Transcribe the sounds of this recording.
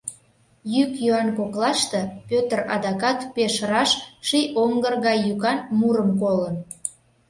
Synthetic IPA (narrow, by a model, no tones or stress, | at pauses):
jykjuɑnkoklɑʃt̪epøt̪ərɑ̰d̪ɑkɑt̪peʃɾɑʃʃiʔoŋɡərɣɑjːykɑnmuɾəmkolən